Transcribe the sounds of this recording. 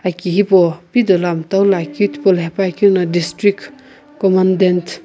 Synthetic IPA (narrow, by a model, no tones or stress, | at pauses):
akiɦipopid̪olamt̪awlakiut̪ʰpolɦepakiɾnadistɾik | kɔmandent